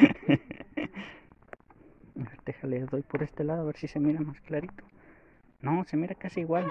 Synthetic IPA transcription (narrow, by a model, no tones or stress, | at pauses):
aɾt̪exaleðojpoɾest̪elaðoaβeɾsisemiɾamasklaɾit̪o̥ | nosemiɾakasiːɣwal